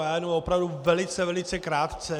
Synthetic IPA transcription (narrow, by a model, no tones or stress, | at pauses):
aːjnomopɾavduvɛlɪt͡sɛvɛlɪt͡sɛkɾaːt̪t͡sɛ